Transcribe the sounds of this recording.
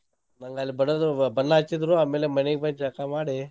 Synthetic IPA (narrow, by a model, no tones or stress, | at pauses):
nɐŋɡɐlːibɐɽɐd̪ubɐnːɐːt͡ʃːid̪ɾuaːmeːlemɐneɡebɐnd͡ʒɐkamaːɽi